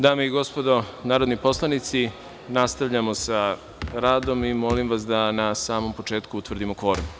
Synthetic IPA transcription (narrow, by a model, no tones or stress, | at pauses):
d̪aːmeiɡo̞spod̪o̞ | naːɾod̪nipo̞slˠanit̪si | nast̪aʋʎamo̞sa | ɾaːd̪o̞mimo̞limʋasd̪anasaːmo̞mpo̞t͡ʃeːt̪kuut̪ʋr̩d̪imo̞kʋo̞ːɾm